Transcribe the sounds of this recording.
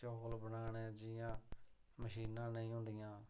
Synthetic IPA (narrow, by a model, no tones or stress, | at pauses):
t͡ʃoːlbənaːnɛ̃ːd͡ʒɪjãː | məʃiːnãːnəĩːɦʊ̃nd̪ɪjãː